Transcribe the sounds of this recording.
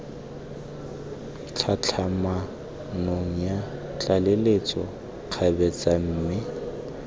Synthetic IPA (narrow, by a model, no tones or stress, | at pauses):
t͡ɬʰat͡ɬʰama | noŋ̩ja | t͡ɬʼalelet͡sʼɔ | q͡χʰabɛt͡sʼam̩ːmɪ